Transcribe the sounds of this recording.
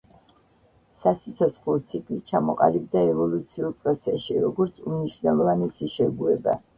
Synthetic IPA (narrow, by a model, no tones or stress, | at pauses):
sasit̪sʰɔt̪sʰχlˠɔt̪sʰikʰʼlit͡ʃʰamɔqʼa̰lib̚d̪aɛvɔlˠut̪sʰiuɾpʼɾɔt̪sʰɛʃiɾɔɡɔɾt̪sʰumniʃwnɛlˠɔvanɛsiʃɛɡuɛba̰